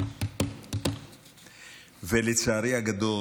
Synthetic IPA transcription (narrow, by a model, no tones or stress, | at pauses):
velet͡saːɾiaɡad̪o